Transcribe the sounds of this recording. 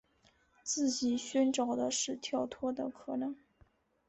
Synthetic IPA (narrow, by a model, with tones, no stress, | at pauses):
t͡sɹ̩˥˩t͡ɕi˨˩ɕɥɛ˥nʈ͡ʂɑ˨˩ʊd̪ə˦ʂɻ̩˥˧t̪ʰjɑ˥˩ʊt̪ʰwɔ˥d̪ə˨kʰɤ˨˩nɤ˧˥˦ŋ